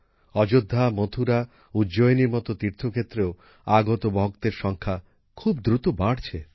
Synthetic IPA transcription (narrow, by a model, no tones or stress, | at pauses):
ɔd͡ʒod̪ʱːamot̪ʰuɾa | ud͡ʒojniɾmɔt̪ot̪iɾt̪ʰokʰet̪ːɾeo | aɡot̪obɔɦkt̪eɾʃɔŋkʰa | kʰubd̪ɾut̪obaɽt͡ɕʰe